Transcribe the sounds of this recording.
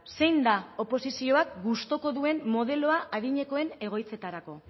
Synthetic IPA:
se̞jnd̪ao̞po̞sisio̞ak̚ɡust̪o̞ko̞ðue̞nmo̞ð̞e̞lo̞aʔaðiɲe̞ko̞e̞ne̞ɣ̞o̞jt͡se̞t̪aɾako̞

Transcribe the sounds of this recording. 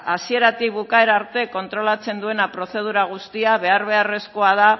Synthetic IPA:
asie̞ɾat̪ikβukae̞ɾaːɾt̪e̞ko̞nt̪ɾo̞lat͡se̞nd̪ue̞napɾo̞θe̞ð̞uɾaɣ̞ust̪iaβe̞aɾβ̞e̞are̞sko̞aða

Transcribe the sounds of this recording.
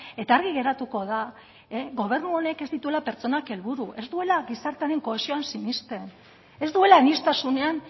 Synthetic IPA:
e̞t̪aːɾɣ̞iɣe̞ɾat̪uko̞ða | ɣo̞β̞e̞ɾnuo̞ne̞ke̞zd̪it̪ue̞lape̞ɾt͡so̞nake̞lβuɾuʔe̞zd̪ue̞laɣisaɾt̪eaɾeŋko̞esio̞ansiɲist̪e̞n | e̞zd̪ue̞lanist̪asune̞an

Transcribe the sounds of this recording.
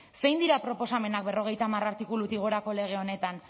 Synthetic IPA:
se̞jnd̪iɾapɾo̞po̞same̞nak̚be̞ro̞ɣ̞e̞jt̪aːmaraɾt̪ikulut̪iɣ̞o̞ɾako̞le̞ɣ̞e̞o̞net̪an

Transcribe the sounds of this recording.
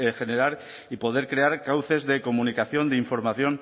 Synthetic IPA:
xe̞ne̞ɾaɾ | ipo̞ð̞e̞ɾkɾe̞aɾkawθe̞zðe̞ko̞munikaθjo̞nd̪eiɱfo̞ɾmaθjo̞n

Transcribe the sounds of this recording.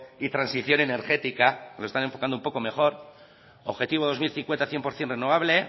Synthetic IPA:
it̪ɾansiθjo̞ne̞neɾxe̞t̪ikaloest̪ane̞ɱfo̞kand̪oumpo̞ko̞me̞χo̞ɾ | oβxe̞t̪iβ̞oð̞o̞zmilθiŋkwent̪aθje̞mpo̞ɾθje̞nreno̞β̞aβle̞

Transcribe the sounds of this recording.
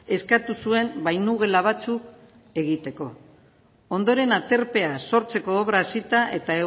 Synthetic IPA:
e̞skat̪usue̞mbajnuɣe̞laβ̞at͡suk | e̞ɣit̪e̞ko̞ | o̞nd̪o̞ɾe̞nat̪e̞ɾpe̞aso̞ɾt͡se̞ko̞ːβɾaːsit̪aʔe̞t̪ae

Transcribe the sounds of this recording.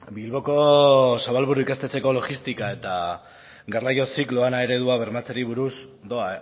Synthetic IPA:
bilβo̞ko̞saβalβuɾuikast̪e̞t͡se̞ko̞lo̞ɣist̪ikae̞t̪a | ɡarajo̞siklo̞anae̞ɾe̞ðuaβ̞e̞ɾmat͡seɾiβ̞uɾus | d̪o̞a

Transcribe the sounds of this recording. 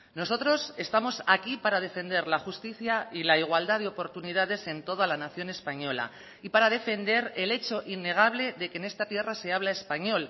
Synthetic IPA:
no̞so̞t̪ɾo̞se̞st̪amo̞sakipaɾað̞e̞fe̞nd̪e̞ɾlaxust̪iθjailaiɣ̞wald̪aðeo̞po̞ɾt̪uniðað̞e̞se̞nt̪o̞ð̞alanaθjo̞ne̞spaɲo̞la̰ | ipaɾaðe̞fe̞nd̪e̞ɾe̞le̞t͡ʃo̞ʔinːe̞ɣ̞aβ̞le̞ðe̞ke̞ːne̞st̪at̪je̞rase̞aβ̞lae̞spaɲo̞l

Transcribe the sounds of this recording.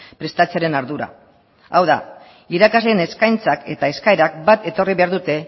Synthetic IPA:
pɾe̞st̪at͡seaɾe̞naɾðuɾa̰ | awða̰ | iɾakazle̞ːne̞skajnt͡sake̞t̪ae̞skaeɾak̚bat̪e̞t̪o̞riβe̞aɾðut̪e̞

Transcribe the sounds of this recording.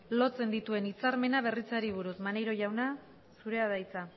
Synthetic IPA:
lo̞t͡se̞nd̪it̪ue̞nit͡saɾme̞naβ̞e̞rit͡saɾiβ̞uɾusmanejɾo̞ʝawna | suɾe̞að̞ajt͡sa

